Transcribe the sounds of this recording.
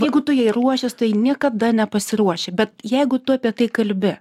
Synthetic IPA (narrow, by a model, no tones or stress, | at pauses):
jɛɪɡʊt̪ʊjɛɪɾuɔʃʲɪst̪ɐɪnʲiɛkɐd̪ɐnʲɛpɐsʲɪɾuɔʃʲɛbʲɛt̪jɛɪɡʊt̪ʊɐpʲiɛt̪ɐɪkɐlʲbʲɪ